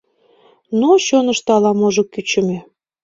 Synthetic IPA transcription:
noɕonəʃt̪ɑlɑmoʒokyt͡ɕə̆me

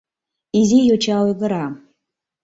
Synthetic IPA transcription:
izijot͡ʃʰaweɡɨɾa

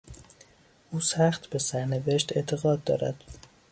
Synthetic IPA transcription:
ʔuːsæxt̪be̞sæɾne̞veʃt̪e̞ʔt̪ʰe̞ɣɒːd̪̚ːɒ̰ːɾæ̰d̪̥

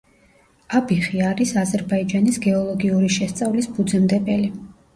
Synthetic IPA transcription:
abiχiaɾisazɛɾbaid͡ʒanisɡɛɔlˠɔɡiuɾiʃɛst̪sʼavlisbud̪zɛmd̪ɛpʼɛli

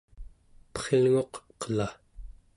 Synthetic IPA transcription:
pʌ̥χelŋo̞qqə̥la

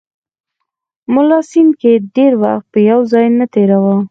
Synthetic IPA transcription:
mʊlɑsinkeɖeɾwaxt̪̚pəjawzɑjnət̪eɾawa

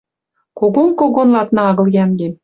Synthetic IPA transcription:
koɡomkoɡonlˠɑt̪nɑɑɣɤ̆lˠjæmɡʲem

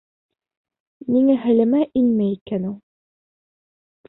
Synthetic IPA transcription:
niŋæɦɘ̆lɘ̆mæʔinmæikænulˠ

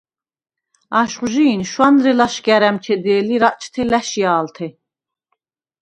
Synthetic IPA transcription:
aʃχʒiːnʃwanɾɛlaʃɡæɾæmt͡ʃʰɛd̪ɛːliɾaʔt͡ʃʰt̪ʰɛlæʃijaːlt̪ʰɛ

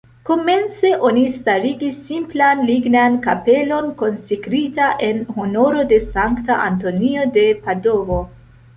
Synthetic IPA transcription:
ko̞me̞nt͡se̞ʔo̞nistaɾiɡisːimplanliɡnankape̞lo̞nko̞nsekɾitaʔe̞nhono̞ɾo̞de̞saŋktaʔanto̞niode̞pado̞vo̞

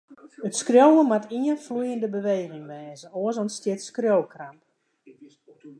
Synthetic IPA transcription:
ətskrjowəmatʰiənflujəndəbəʋejɣɪŋmɛːzəoəzɔnstjɪtskrjowkramp

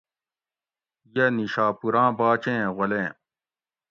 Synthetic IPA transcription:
jɐniɕaːpuɾãːbaːt͡ɕẽːʁɐlẽː

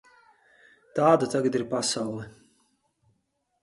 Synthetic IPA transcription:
t̪aːd̪at̪aɡat̪d̪iɾpasawlˠɛ

